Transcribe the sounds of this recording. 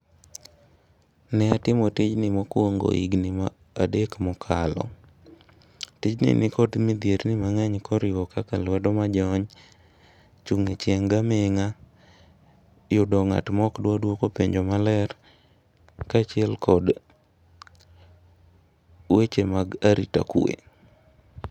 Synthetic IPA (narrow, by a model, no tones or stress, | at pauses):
nɛatɪmɔtɪt͡ʃnɪmɔkwoŋɡo̰ḭɡnɪma | adekmɔkʰalɔ̰ | tɪt͡ʃnɪ̰nɪkɔdmɪd̪jeɾnɪmaŋɛɲkʰɔɾɪwɔkakalwɛdɔmad͡ʒɔɲ | t͡ʃuŋet͡ʃeŋɡameŋa | jʊdɔŋa̰tmɔkdwadwokopeɲd͡ʒomalɛr | kat͡ʃɪɛlkʰɔd | wet͡ʃemaɡaɾita̰kwḛ